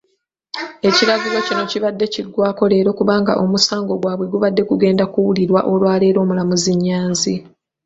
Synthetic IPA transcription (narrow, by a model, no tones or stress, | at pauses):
e̞ciɾaɡilo̞cino̞ciβadːe̞ciɡːwaːko̞le̞ːɾo̞kuβaːŋɡa̰ʔo̞musaːŋɡo̞ɡwaːβwe̞ɡuβadːe̞kuɡe̞ːndakuwuliɾwa̰ʔo̞lwaːle̞ːɾo̞ːmulamuziɲːaːnzi